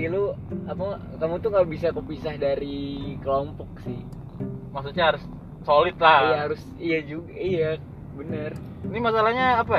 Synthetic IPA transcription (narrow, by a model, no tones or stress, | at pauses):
iluamua | kamut̪ʊŋɡabis̬akupisahdaɾikəlompɔk̚sɪh | maks̬utɲaɦaɾʊs | solɪt̪̚laijaɦaɾʊs | ijad͡ʒuɡaija | bənər | nimasalahɲaːpa